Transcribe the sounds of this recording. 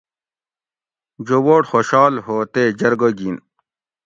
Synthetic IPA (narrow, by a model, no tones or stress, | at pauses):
d͡ʑowoːʈxoɕɑːlɦoːt̪eːd͡ʑɐɾɡoɡin